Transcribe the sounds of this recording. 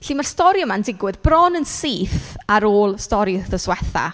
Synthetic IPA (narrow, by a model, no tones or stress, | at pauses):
ɬiːmarstɔɾjɔmandɪɡwɨðbrɔnənsiːθaɾoːlˠstɔɾjðəswɛθa̰